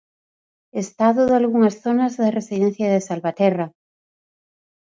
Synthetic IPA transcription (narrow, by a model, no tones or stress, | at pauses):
est̪aðʊðalɣuŋasθonazðaresiðẽn̟θjaðesalβat̪ɛra